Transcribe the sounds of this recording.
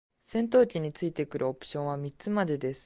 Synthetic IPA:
sẽ̞nt̪o̞ːkʲiɲ̟it͡sɨit̪e̞kɯ̟ɾʔɯ̟o̞pɯ̟̥ɕõ̞ɰ̃βamʲit͡sɨmad̪e̞d̪e̞sɨ̥

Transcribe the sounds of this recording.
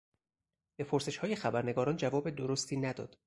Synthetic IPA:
b̥e̞pʰoɾse̞ʃhɒːje̞xæbæɾne̞ɡɒːɾɒːnd͡ʒævɒːbed̪oɾost̪ʰiːnæd̪ɒ̰ːd̪̥

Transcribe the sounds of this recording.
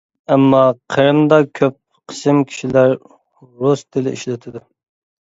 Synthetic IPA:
ɛmːɑqʰəɾɨmd̪ɑkʲʰøp̚ | qʰə̥sɨmkʲʰi̥ʃilæɾ | ɾost̪ʰɪlɪʔiʃlɪt̪ʰɪd̪u

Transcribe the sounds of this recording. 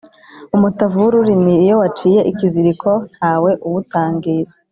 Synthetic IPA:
umutavuɾuɾiniːjo̞wat͡ʃiːje̞ʔikiziɾikʰo̞n̥haːwe̞ʔuwutaːŋɡiɾa

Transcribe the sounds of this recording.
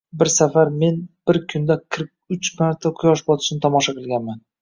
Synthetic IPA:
bɪɾsafaɾme̞nb̥ɪɾkʲʰʊnd̪aqʰɨɾq̚ | ʊt͡ʃmaɾt̪ʰaqʰʊjɒʃbɒt̪ʰɪ̥ʃnɪt̪ʰɒmɒʃaqʰɨlˠɡʲanman

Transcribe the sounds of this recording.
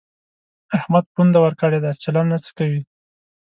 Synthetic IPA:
ahmad̪̚pund̪awəɾkəɽed̪at͡ʃalanːat͡sə̥kawi

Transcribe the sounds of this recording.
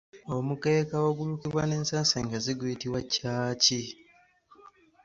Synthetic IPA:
omuke̞ːkawoɡulukiβwane̞ːnsaːnseːŋɡaziɡwiːtiwacaːci

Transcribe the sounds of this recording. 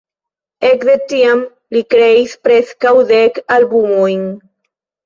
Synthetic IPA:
ekðet̪iam | likɾejspɾeskawðekalbumujŋ

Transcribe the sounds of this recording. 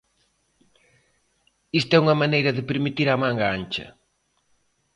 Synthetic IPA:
ist̪ɛuŋɐmanejɾɐðɪpeɾmit̪iɾamaŋɡaant͡ʃɐ̰

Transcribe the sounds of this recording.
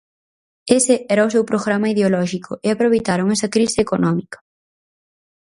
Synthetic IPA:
esɪɛɾɐʊsewpɾoɣɾamɐiðeolɔʃikʰʊʔeapɾoβejt̪aɾoŋɛsɐkɾisɪeːkonɔmikɐ̥

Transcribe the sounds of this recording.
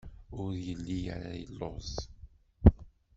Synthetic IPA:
ʊɾjəlːija̰ɾa̰jəlːozˤ

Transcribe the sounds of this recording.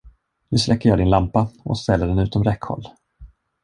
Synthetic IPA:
nɵ̟ːslɛkːəjɑːdɪnlampaʔɔ̰st̪ɛlːəɖɛnʉ̟ːt̪ɔmɾɛkhɔ̰lː

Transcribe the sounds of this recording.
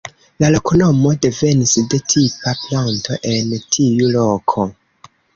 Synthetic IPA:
lalo̞kono̞mo̞de̞ve̞nisde̞tʰipaplanto̞ʔe̞ntʰiulo̞kʰo̞

